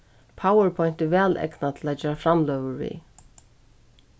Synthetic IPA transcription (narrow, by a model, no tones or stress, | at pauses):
pʰawəɹpʰɔjnt̪ɪvɛːlɛ̰knat̪ʰɪlad͡ʒɛːɾafɾamlœwəɹvḭː